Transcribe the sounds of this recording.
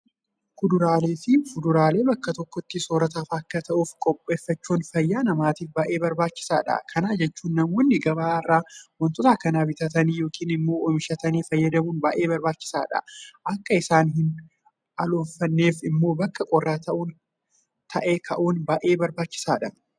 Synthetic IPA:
kʊd̪ʊɾaːle̞ːfɪfʊd̪ʊɾaːle̞ːbɐkːɐt̪ɔkːɔt̪ːɪsoːɾɐt̪aːfɐkːɐt̪ɐʔuːfkʼɔpʼːe̞ːfːɐt͡ʃːuːnfɐjːaːnɐmaːt̪iːfbɐʔe̞ːbɐɾbaːt͡ʃːɪ̥saːᶑɐ̰kʰɐnaːd͡ʒɛt͡ʃːuːnːɐmwɔnːɪɡɐbaːrːaːwɔnt̪ɔt̪aːkɐnaːbɪt̪ɐt̪ɐniːjo̞ːkʰiːnɪmːo̞ːɔmɪʃɐt̪ɐniːfɐjːɐd̪ɐmuːnbɐʔe̞ːbɐɾbaːt͡ʃːɪ̥saːᶑɐ̰ʔɐkːɐɪsaːnɦɪn | ɐloːnfɐnːe̞ːfɪmːo̞ːbɐkːɐkʼɔrːaːt̪ɐʔuːn | t̪ʰɐʔeːk̪ʰɐʔuːnbɐʔe̞ːbɐɾbaːt͡ʃːɪ̥saːᶑɐ

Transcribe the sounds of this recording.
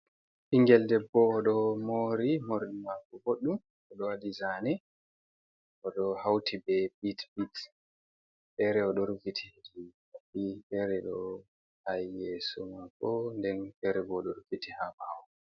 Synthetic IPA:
ʔiŋɡɛldɛbːɔːɗɔmoɾimoɾiɗimakːɔɡoɗːum | ɔɗɔwadizanɛ | ʔɔɗɔhawtʰibɛbitbit | ɗɛɾɛɔɗɔɾfitʰihd͡ʒihafitɛɾɛɗɔ | hajːeːsumakːɔndɛnfɛɾɛɡɔɗɔɾfitihabaaw

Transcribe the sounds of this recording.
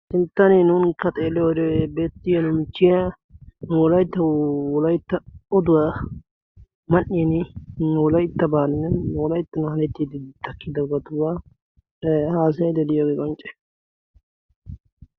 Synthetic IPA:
sɪnt̪ːɐnenʊnkːɐt̪ʼeːlːɛjɔd̪ɛbe̞ːt̪ːɪjɐnʊmɪt͡ʃːɪja | nʊwɔlɐjt̪ːɐwɔlɐjt̪ːɐɔd̪ʊwa | mɐʔːɪjɛnɪnwɔlɐjt̪ːɐbaːnnɛwɔlɐjt̪ːɐnʊhɐlɛt̪ːiːd̪ɪt̪ɐkːɪd̪ɐɡɐt̪ʊba | haːs̬ɐjɐd̪ɛd̪ɪjoːɡeːkʼɔnt͡ʃʼɛ̥

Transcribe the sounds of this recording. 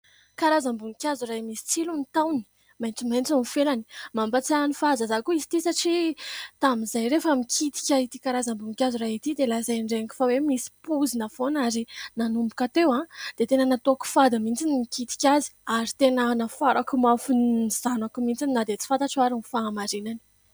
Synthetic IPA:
kaɾazambuŋkʲazurajmisi̥t͡silunit̪awni̥ | majnt͡simajnt͡sunifelani̥mambat͡sanifazazakuisi̥t̪isaʈ͡ʂit̪amizajɾefəmikʰit̪i̥kʲait̪ikaɾazambuŋikʲazuraɦit̪id̪elazajɳɖ͡ʐeki̥fawemisi̥puzinafonaɾinanumbukat̪ewãd̪̥et̪enənat̪oaku̥fad̪amint͡sinimikit̪i̥kʲazi̥aɾit̪enənafaɾʔakumafuniz̥anakumint͡sininad̪et͡si̥fant̪aʈ͡ʂaɾinifaːmaɾinani̥

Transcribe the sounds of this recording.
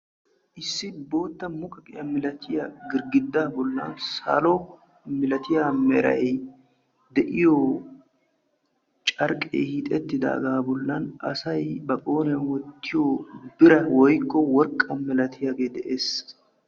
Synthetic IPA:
ʔɪsːɪbo̞ːt̪ːɐmʊkʼɐkʼɪjɐmɪlɐt̪ʰɪjaɡɪɾɡɪd̪ːaːbɔlːɐ̰ːnsɐ̰lɔ | mɪlɐt̪ɪjaːmɛɾɐ̰ʔe | d̪ɛʔɪjo | t͡ʃʼɐɾkʼḛːhit̪ʼɛt̪ːɪd̪a̰ːɡaːbɔlːɐnɐsɐjbɐkʼo̞ːnɛjɐwɔt̪ːɪjoːbɪɾɐwɔjkːɔwɔɾkʼːɐmɪlɐt̪ʰɪjaɡeːd̪ɛʔeːs

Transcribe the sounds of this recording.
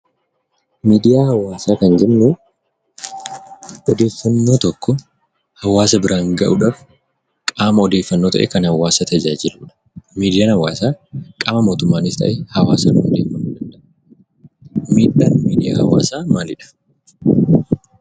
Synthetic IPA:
miːd̪ɪjaːhɐwaːsaːkɐnd͡ʒɛʔnuː | ʔɔd̪e̞ːfːɐnːo̞ːt̪ɔkːɔ | hɐwaːsɐbɪɾʔaːŋɡɐʔʊᶑaːf | kʼaːmɐɔd̪eːfːɐnːoːt̪ɐʔḛːkɐnhɐwaːsɐt̪ɐd͡ʒaːd͡ʒɪluːᶑɐ̥ | miːd̪ɪjaːnhɐwːaːsaːkʼaːmɐmo̞ːt̪ʊmːaːnɪst̪ɐ̰ʔeːhɐwaːsɐnuːɔd̪eːfɐnːuːd̪ɐnd̪ɐʔɐ | miːᶑaːnmiːd̪ɪja̰ːhɐwa̰ːsaːmaːnɪᶑɐ̥

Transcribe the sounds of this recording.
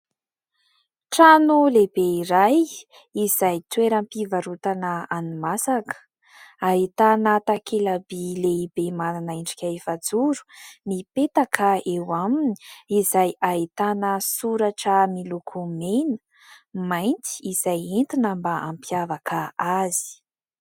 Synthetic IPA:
ʈ͡ʂanulebeiɾaj | izajt̪weɾampivaɾut̪anəanimasakə̥ | ait̪anat̪akʰelabileibemananaiɳɖ͡ʐi̥kʲaefad͡zuɾu̥mipet̪akʰaewaminiizajait̪anəsuɾaʈ͡ʂəmilukʰumenə̥ | majnt͡si̥iz̥ajent̪inambaampjavakʰaazi̥

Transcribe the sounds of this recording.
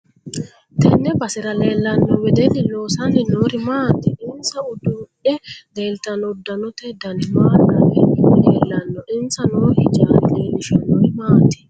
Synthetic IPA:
t̪ɛnːɛbɐsɪɾɐleːlːɐnːɔwɛd̪ɛlɪloːsɐnɪnoːɾɪmaːt̪ːɛʔɪnsɐʊd̪ʊʔɛleːlt̪ɐnɔʊd̪ːɐnɔt̪ɛd̪ɐnɪmaːnɐɪɛleːlːɐnːɔʔɪnsɐnoːhɪt͡ʃʼaːɾɪleːlɪʃɐnːɔɪmaːt̪ːɛ̥

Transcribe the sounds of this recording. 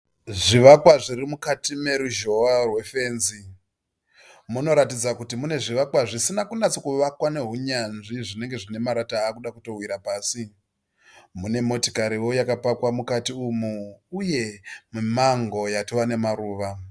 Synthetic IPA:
ʐiʋakwaʐirimukatime̞ɾuʒo̞arwe̞fe̞ːnzi | muno̞ɾatid͡zakutimune̞ʐiʋakwaʐisinakunat͡sokuʋakwane̞ɦuɲanʐiʐine̞ŋɡe̞ʐine̞maɾataːkuɗakuto̞wiɾapaːsi | mune̞mo̞tikaɾiwo̞jakapakwamukatiumuuje̞mumaŋɡo̞jatowane̞maɾuːʋa

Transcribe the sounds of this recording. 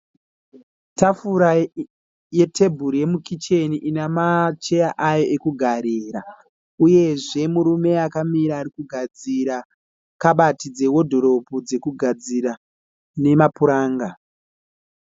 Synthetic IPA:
tafuɾa | je̞tʰe̞bʱuɾije̞mukit͡ʃe̞niʔinamat͡ʃe̞jaʔajo̞ʔekuɡʱaɾeːɾa | uje̞ʐe̞muɾume̞akamiɾaːɾikuɡʱad͡ziɾa | kaɓatid͡ze̞wo̞dʱo̞ɾo̞pud͡ze̞kuɡʱad͡zira | ne̞mapuɾaːŋɡa

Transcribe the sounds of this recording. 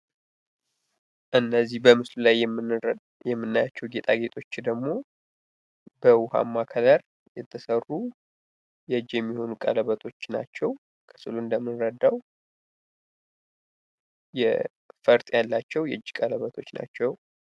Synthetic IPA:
ʔɨnːəzːihbəmɨslulaj | jɛmːɨnːajat͡ʃːɛwɡe̞t̪ʼaɡe̞t̪ʼʰo̞t͡ʃːd̪əɡmo̞ | bəwʊha̰mːakʰələɾ | jɛt̪ʰːəsərːu | jɛd͡ʒjɛmːiho̞nukʼə̰ləβət̪ʰo̞t͡ʃːna̰t͡ʃːɛw | kʰɨ̥sɨluɨnd̪əmːɨnɾəd̪ːaw | jɛ̰ | fəɾt̪ʼjalːat͡ʃːɛwjɛɨd͡ʒːkʼələβət̪ʰo̞t͡ʃːna̰t͡ʃːɛw

